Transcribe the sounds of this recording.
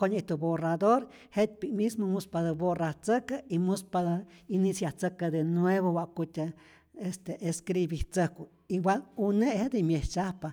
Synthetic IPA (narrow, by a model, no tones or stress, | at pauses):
koɲit̪uborad̪oɾ | het̪̚ʲpikmismomuspad̪ɨboraht͡səkaimuspad̪ainisjaht͡səkad̪enweβowaʔkut̪ʲa | est̪eʔeskɾibiht͡səhku | iwanuneʔhed̪imjeht͡ʃahpa